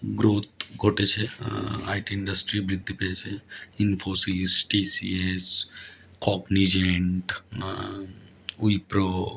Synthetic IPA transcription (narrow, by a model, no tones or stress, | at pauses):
ɡɾoːt̪̚ʰɡʱoːʈet͡ʃʰea̰ːɪʈiɪ̃ɳɖəsʈɾibɾɪd̪ʱːipet͡ʃʰeɪnfoːsiːzʈiːsḭes | kɔːknid͡ʒeɳʈ | uipɾoː